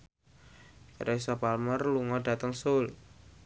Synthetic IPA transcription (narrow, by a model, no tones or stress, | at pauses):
kaɾʔaisɔpalmərluŋɔɖ̥a̤t̪əŋsol